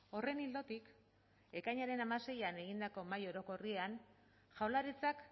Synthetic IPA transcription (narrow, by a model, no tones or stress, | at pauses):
o̞re̞nild̪o̞t̪ik | e̞kajɲaɾe̞namase̞jane̞ɣind̪ako̞majo̞ɾo̞ko̞riean | ʝawlaɾit͡sak